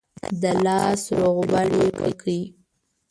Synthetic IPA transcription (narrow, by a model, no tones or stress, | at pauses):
d̪əlɑsɾoɣbaɽekə̰kʰəi